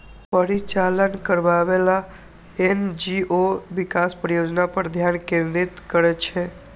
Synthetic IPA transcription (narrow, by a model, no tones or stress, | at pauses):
pəɾit͡ʃalənkəɾʋaːʋela | end͡ʒiʔoʋikaspəɾjod͡ʒnapəɾd̪ʱjankeʋɾit̪kəɾet͡ʃʰe